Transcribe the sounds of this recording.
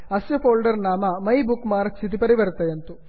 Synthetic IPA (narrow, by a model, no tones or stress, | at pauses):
ɐsjɐpoːlɖɐɾnaːmɐmɐjbukːmaːɾksit̪ipɐɾiʋɐɾt̪ɐjent̪u